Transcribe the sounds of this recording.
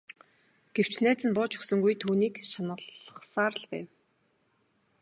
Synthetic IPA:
ɡ̥ew̥t͡ɕnæːt͡sɘ̆npʊːt͡ɕɵ̥xsɵ̆ŋɡujt̪ʰuːniːkʃanə̆ɮχsaːɾə̆ɮpæ̰ːw

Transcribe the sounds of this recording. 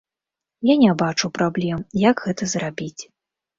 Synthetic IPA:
janʲabat͡ʂuwpɾablʲɛmjaɡɣɛt̪ɐzrabʲit͡sʲ

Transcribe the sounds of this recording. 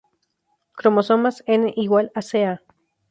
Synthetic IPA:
kɾomosomaseneʔiɣwalasea

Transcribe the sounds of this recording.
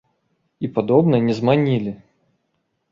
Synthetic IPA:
ipad̪ɔbnɐnʲɛzmanʲilʲɪ

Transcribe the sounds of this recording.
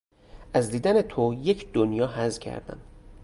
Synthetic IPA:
ʔæzd̪iːd̪æne̞t̪ʰojecʰd̪onjɒːɦæzcʰæ̰ɾd̪æ̰m

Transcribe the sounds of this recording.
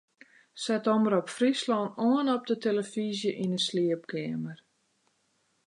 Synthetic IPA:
sɛtoməɾɔpfrislɔnoənɔp̚dətʰeləfizjəʔinəsliəp̚kʰɛːmər

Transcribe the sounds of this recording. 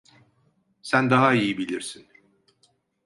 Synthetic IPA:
sænd̪aɦaijibilʲiɾsin

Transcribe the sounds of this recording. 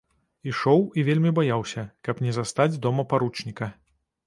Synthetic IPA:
iʂɔwivʲelʲmʲibajawsʲɐkɐpnʲɛzast̪ad͡zʲd̪ɔmɐpaɾut͡ʂnʲikɐ

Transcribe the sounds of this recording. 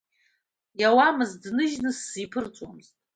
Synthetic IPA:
jawamɨzdnɨʒnɨsːipʰɨrt͡sʼwa̰mztʼ

